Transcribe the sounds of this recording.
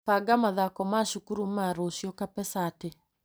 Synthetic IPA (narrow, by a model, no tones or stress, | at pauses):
paɡamaðakɔmaʃukuɾum̩maɾoʃjɔkapɛsate